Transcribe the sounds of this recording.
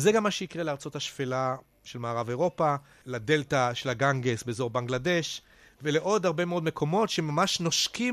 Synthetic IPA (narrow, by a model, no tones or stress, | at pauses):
zeɡamːaʃeikʁeleaʁt͡so̞thaʃfela | ʃe̞lmaːʁaveʁo̞pa | lade̞ltaʃelaɡaŋɡesbezo̞ʁbaŋɡladeʃ | vele̞ʔo̞d̪haʁbemeo̞d̪me̞kʰo̞mo̞tʃeemamaʃnoʃki